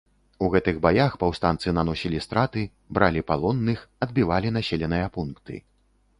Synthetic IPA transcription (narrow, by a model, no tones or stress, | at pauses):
uɣɛt̪ɨɣbajaxpawst̪ant̪sɨnanɔsʲilʲist̪ɾat̪ɨ | bɾalʲipalˠɔnːɨxɐd̪̚bʲivalʲinasʲelʲɛnɨjɐpunkt̪ɨ̰